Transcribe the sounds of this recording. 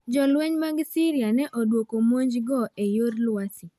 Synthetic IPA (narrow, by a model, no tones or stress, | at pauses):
d͡ʒɔlwɛɲmaɡsiɾianɛʔɔdwokomoɲd͡ʒɡɔʔejoɾlwasi